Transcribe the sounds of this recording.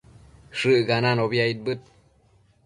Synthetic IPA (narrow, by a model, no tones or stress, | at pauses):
ʂɨʔɡananoβiait̪̚bɨt̪̚